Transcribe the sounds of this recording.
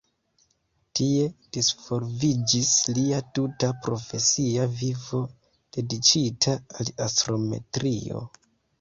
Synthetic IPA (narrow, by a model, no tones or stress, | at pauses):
tie̞d̥isfo̞ɾvid͡ʒisliatutapɾo̞fe̞siavivo̞ | d̥e̞dit͡ʃitʰaːliastɾo̞me̞̰tɾio̞̰